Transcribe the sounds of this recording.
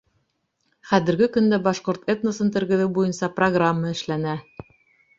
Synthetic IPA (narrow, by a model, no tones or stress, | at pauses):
χæðɘ̆ɾɡɘkɵ̆nd̪æbɑʃqoɾt̪et̪nosɤnt̪ɘ̆ɾɡɘ̆ðɘwbujɤnsɑproɡramːɑɘ̆ʃlænæ